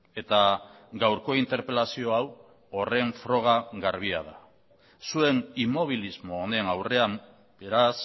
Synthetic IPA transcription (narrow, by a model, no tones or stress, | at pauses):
e̞t̪a | ɡawɾko̞int̪e̞ɾpe̞lasio̞aw | ore̞ɱfɾo̞ɣ̞aɣaɾβia̰ð̞a | sue̞nimo̞β̞ilizmo̞ːne̞nawre̞am | b̥e̞ɾas